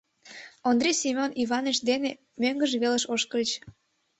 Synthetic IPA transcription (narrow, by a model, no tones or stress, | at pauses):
ond̪ɾejsimʲoniβɑneʃd̪ene | møŋɡəʒeβeləʃoʃkələt͡ɕ